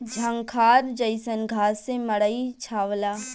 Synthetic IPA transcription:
d͡ʒʱəŋkʰaɾd͡ʒəɪsənɡʱasẽməɽəɪt͡ʃʰaʋla

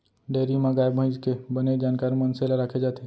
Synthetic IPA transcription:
ɖeːɾimãɡaːebʱə̃ɪd͡ʒkebəned͡ʒaːnkaːɾmɐnselaɾaːkʰed͡ʒaːt̪e

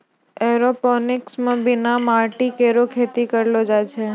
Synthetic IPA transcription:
ɛɾopɔnɪksmãbinamaɾʈikeɾokʰet̪ikəɾlod͡ʒajt͡ʃʰe

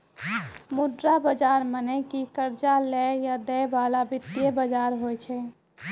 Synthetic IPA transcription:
muɖɾabəd͡ʒaɾmənɛkikəɾd͡ʒalɛjad̪ɛjbalabʱɪt̪ːijebəd͡ʒaɾɦojt͡ʃʰɛ

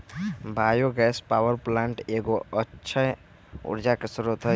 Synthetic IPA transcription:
bʱajoɡɛspawəɾplãɳʈeɡoəːt͡ʃʰə | ṵɾd͡ʒakesɾut̪ɦə

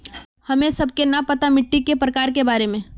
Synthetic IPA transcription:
hɐmẽsɐb̚kenɐpɐt̪amɪʈːikepɾəkaːɾkebaːɾemẽ

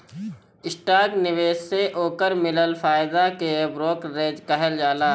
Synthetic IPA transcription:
ɪsʈaːɾknɪʋeːʃseʔoːkəɾmɪləlfaːɪd̪akebɾoːkɾẽːd͡ʒkɛɦəld͡ʒaːlaː

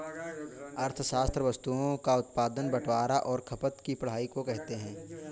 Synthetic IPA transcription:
ɐɾt̪ʰəʃaːst̪ɾəʋɐst̪uõkaʊt̪paːd̪ənbɐʈʰwaːɾaʔɔːɾkʰɐpət̪kipɐɽ̤aːikokɛɦt̪eɦɛ̃ː

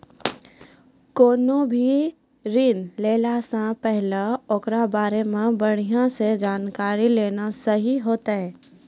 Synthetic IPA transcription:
koːnobʱi | ɾiːnleːlasãpɛɦlaokɾabaːɾemẽbɐɽ̤̃ijãsed͡ʒaːnkaːɾileːnasɐɦiɦoːt̪aɦɛː

